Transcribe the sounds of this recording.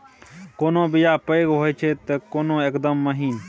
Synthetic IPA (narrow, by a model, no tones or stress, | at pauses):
koːnõːbɪjaːpəeɡɦoːet͡ʃʰeːt̪ekoːnõːekd̪əmːəɦiːn